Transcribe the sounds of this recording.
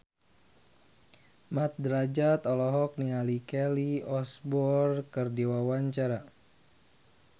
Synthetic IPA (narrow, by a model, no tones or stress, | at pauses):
mat̪̚dɾad͡ʒat̪ɔlɔɦɔk̚nialikɛliɔsbɔrkɨrdiwawaɲt͡ʃaɾa